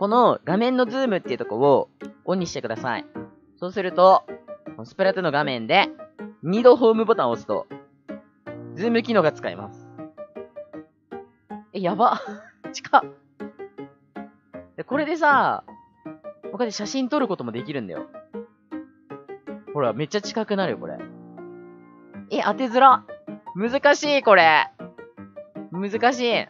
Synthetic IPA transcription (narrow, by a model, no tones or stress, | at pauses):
ko̞no̞ɡamẽ̞nːo̞d͡zɨːmɯ̟t̪ːeɯ̟t̪okooõ̞ɲ̟ːiɕi̥t̪e̞kɯ̟d̪asa̰ḭ | so̞ːsɨɾɯ̟t̪o̞konosɨ̥peɾat̪ɯno̞ɡamẽ̞nd̪e̞ɲ̟id̪o̞ɦo̞ːmɯ̟bo̞t̪ãɰ̃osɨ̥t̪o̞̰ | d͡zɨːmɯ̟kʲino̞ːɡat͡sɨ̥kaḭma̰sɨ̥ | ejabat͡ɕi̥kʰa | d̪̥eko̞ɾe̞d̪e̞s̬a | bokad̪eɕaɕĩnt̪o̞ɾɯ̟ko̞t̪o̞mo̞d̪e̞kʲiɾɯ̟̃nd̪a̰jo̞̰ | ho̞ɾame̞t͡ɕːat͡ɕi̥kakɯ̟naɾɯ̟jo̞ko̞̰ɾḛ | e̞ʔat̪e̞zɨɾamɯ̟zɨkaɕiːko̞ɾe̞ | mɯ̟zɨkaɕ̬iː